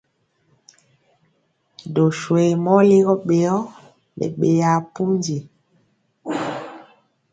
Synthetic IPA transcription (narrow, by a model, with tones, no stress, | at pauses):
do˨ʃwe˨mɔ˦li˦ɣɔ˦ɓe˨ɔ˦ | ɓḛ˨ɓe˨ja˨pu˦nd͡ʒi˨